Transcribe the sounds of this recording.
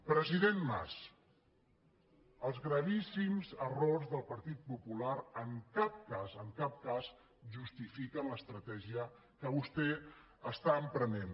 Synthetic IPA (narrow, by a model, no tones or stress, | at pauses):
pɾəziðenma̰s | əlˠzɣɾəβisimzərorzðəlˠpəɾt̪it̪̚pupulaɾəŋkap̚kazəŋkap̚kaz | ʒust̪ifikənləst̪ɾət̪ɛʒiə | kəβust̪ɛ | əst̪aəmpɾənen